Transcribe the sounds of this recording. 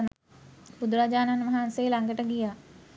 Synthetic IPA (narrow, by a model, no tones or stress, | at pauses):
n | bud̪uɾaːd͡ʒaːnanmaɦansejlaŋɡəʈəɡija